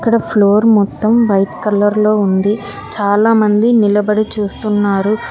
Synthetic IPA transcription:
ɐkːɐɽɐpʰloːɾmɔt̪ːɐmʋɐjʈkɐlːɐɾlo̞ːund̪i | t͡ʃaːlaːmɐnd̪inilɐbɐɽit͡ʃuːst̪unːaːɾu

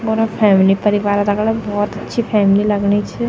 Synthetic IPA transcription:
bʊɾapʰɛːmlipɐɾɪʋaːɾd̪ɐɡlabɔːt̪ɐtːʃʰipʰɛːmlilɐɡnit͡ʃʰɛ

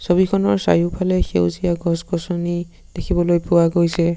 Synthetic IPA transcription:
sobikʰɔnɔɹsa̰jupʰalɛxewzijaɡʱɔsɡɔsɔni | d̥ekʰibɔlojpʊwaɡojsɛ

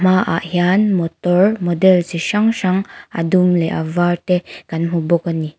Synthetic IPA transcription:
maʔa̰ʔɦjanmɔt̪ɔɹmɔdɛlseʃaŋʃaŋa̰dumleʔa̰vat̪ekanmubɔkani

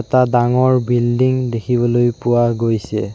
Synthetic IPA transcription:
ɛtadaŋɔɹbildiŋdekʰibɔlojpʊwaɡojsɛ

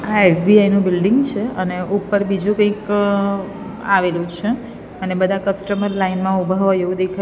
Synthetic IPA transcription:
aesbiainũbɪlɖɪŋɡt͡ʃʰeəneʔupəɾbid͡ʒũkə̃ĩk | aʋelũt͡ʃʰe | ənebəd̪ʱakəsʈəməɾlainmãubʱaʋaeʋũd̪ekʰa

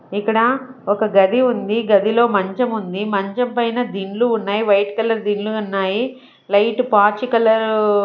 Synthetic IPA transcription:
ikːɐɽɐɔkɐɡɐd̪iund̪iɡɐd̪ilo̞ːmɐɲt͡ʃɐmund̪imɐɲt͡ʃɐmpɐjnɐd̪iɳluːnːaːjiʋɐjʈkɐlɐɾd̪iɳluunːaːji | lɐjʈupaːt͡ʃikɐlɐɾ

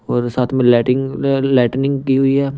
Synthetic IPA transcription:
ɔːɾsaːt̪ʰmẽlɛːʈɪŋlɛːʈnɪ̃ŋɡkiɦʊiɦɛː

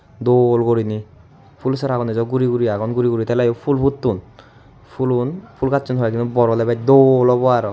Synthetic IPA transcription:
d̪olɡoɾini | pʰulsaɾaɡɔnɛzɔɡuɾiɡuɾiaɡɔnɡuɾiɡuɾit̪ɛlajɔpʰulbʱut̪ːun | pʰulunpʰulkat͡ʃunɦɔjakinubɔɾɔlɛbad̪olɔbɔaɾɔ

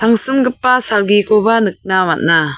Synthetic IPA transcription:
tʰaŋsɯmɡɯpːasalɡikʰobanɯk̚namat̚na

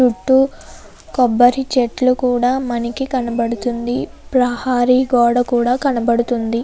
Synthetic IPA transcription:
t͡ʃuʈːu | kɔbːɐɾit͡ʃeʈlukuːɽaːmɐnikikɐnɐbɐɽut̪und̪i | pɾɐhaːɾiɡɔːɽɐkuːɽaːkɐnɐbɐɽut̪und̪i

